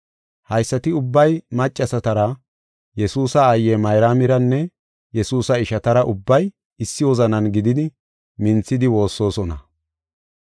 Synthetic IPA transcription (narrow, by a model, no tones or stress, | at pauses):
hɐjsːɐt̪ɪʊbːɐjmɐt͡ʃʼːɐsɐt̪ɐɾɐ | jɛsuːsɐːjːɛmɐjɾaːmɪɾɐnːɛ | jɛsuːsɐɪʃɐt̪ɐɾɐʔʊbːɐj | ɪsːɪwɔzɐnɐnɡɪd̪ɪd̪ɪ | mɪnt͡sːɪd̪ɪwo̞ːsːo̞ːsɔnɐ̰